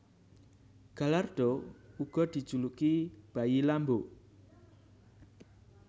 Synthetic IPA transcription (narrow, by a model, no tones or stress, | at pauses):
ɡ̥a̤lard̪̥ɔuɡ̥ɔ̤d̪̥i̤d̥ʒ̥ṳlukib̥a̤ilambo